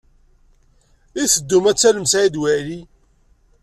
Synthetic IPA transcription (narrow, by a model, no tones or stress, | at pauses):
iθəd̪ːumæt͡sːæləmsæid̪wæli